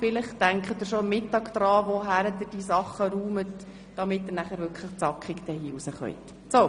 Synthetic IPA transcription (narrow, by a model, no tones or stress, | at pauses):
fɪlɪχtæŋkχət̪ɪɾʃomːɪtːɑːɡd̪̥ɾɑːʋoɦæɾəd̪ɪd̥iːsɑχəɾuːmət | d̥ɑmɪt̚dənæχæɾʋʏɾkʰləχt͡sɑkχikd̪ɛhiːusəχœ̰jt | so